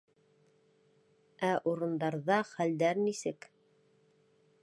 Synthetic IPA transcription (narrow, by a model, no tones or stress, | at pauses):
ʔæʔuɾɤ̆nd̪ɑɾðɑχæld̪æɾnisɘk